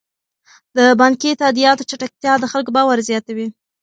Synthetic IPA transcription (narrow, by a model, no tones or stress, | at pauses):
d̪əbɑŋket̪ad̪ijɑt̪ot͡ʃaʈak̚t̪jɑd̪əxalkobɑwaɾzjɑt̪awi